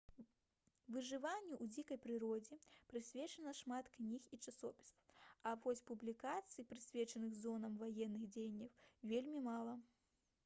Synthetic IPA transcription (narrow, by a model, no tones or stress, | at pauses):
vɨʐɨvanʲːɛʔud͡zʲikɐjpɾɨɾɔd͡zʲɛpɾɨsʲvʲɛt͡ʂɐnɐʂmat̪knʲixit͡ʂasɔpʲi̥sɐvɔsʲpublʲikat̪sɨjipɾɨsʲvʲɛt͡ʂɐnɨxzɔnɐmvajɛnːɨɣd͡zʲejnʲːɐwvʲelʲmʲimalˠɐ